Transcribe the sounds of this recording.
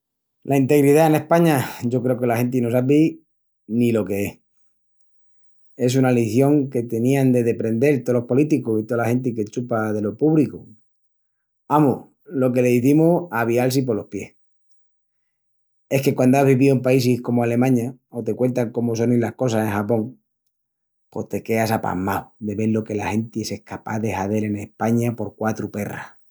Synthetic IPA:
lʔaint̪e̞ɣɾiðaene̞hpaɲaʝo̞kɾe̞oke̞laxe̞nt̪̬ino̞s̬ap̬i | nilo̞ke̞eh | e̞s̬unaliθjo̞ŋke̞t̪e̞niand̪e̞ðe̞pɾe̞nd̪e̞lt̪olo̞hpo̞lit̪ikosit̪olaxe̞nt̪̬ike̞t͡ʃupaðe̞lo̞puβliko | amoh | lo̞ke̞leðiθimoaβialsip̬olo̞pje̞̰h | e̞hke̞kwand̪oaɦβiβiuempaisihko̞moale̞mãɲaot̪e̞kwe̞nt̪aŋko̞mos̬o̞nilahko̞s̬ase̞ŋxapo̞ŋ | po̞ht̪e̞ke̞asapa̰mawd̪e̞βe̞lo̞ke̞lahe̞nt̪iese̞hkapaðe̞haðe̞le̞ne̞hpaɲapo̞ɾkwat̪ɾupe̞ra̰

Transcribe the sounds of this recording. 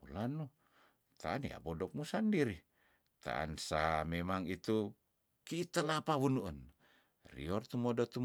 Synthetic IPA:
ulanu | t̪ʰa̰ːnḭa̰bɔdɔk̚musandiɾi | t̪a̰ʔa̰nsamemaŋit̪u | kiːt̪əlapawunuʔən | rḭɔrt̪umɔdɔt̪u

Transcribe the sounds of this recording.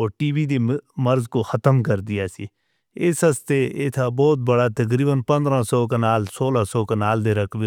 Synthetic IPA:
oːʈiːbiːd̪eːməɾzkoːxət̪əmkəɾd̪ɪjaːsḭː | ɪsɦəst̪eːeːt̪ʰaːbɔːt̪̚bəɽaːt̪ək̬ɾiːbənpə̃nd̪ɾãːsɔːkenaːlsoːlaːsɔːkenaːld̪eːɾəkʰʋe

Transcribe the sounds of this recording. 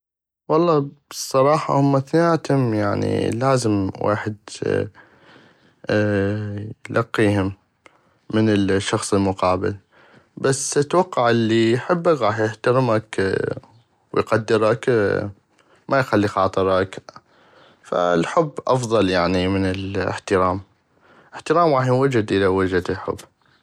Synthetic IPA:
wɑlˤːɑːb̥sˤːɑɾˤɑːħɑ̰hʊmːaθnaːt̪hʊmjaʕnḭlaːzɪmwʔa̰ːħɪd̪ | jlʔɑqːiːhʊmː | ɪnɪlʃːɑxsˤəlmʊqɑːbɪ̰l | basːɪt̪ːwɑqːɑʕʔɪlːijħɪbːakɣɑːħjɪht̪aɾmak | wjqad̪ːɪɾak | mʔajxalːixɑːt̪ˤɨɾˤɑk | fa̰lħʊbːʔɑfðˤɑljaʕnimɪnɪlɪ̰ħt̪ɪɾɑːm | ʔɪħt̪ɪɾɑːmɣɑːħjwad͡ʒɪd̪ʔɪlawɪd͡ʒad̪lħʊ̰bː

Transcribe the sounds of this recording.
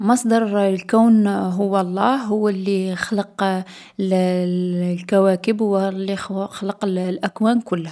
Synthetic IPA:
mɑsˤd̪ɑɾˤlkæwnɦʊwːælˤːɑhːʊwːælːixləq | l | lkæwækəbhʊwlːixɑləqllʔækwænkʊlːæ

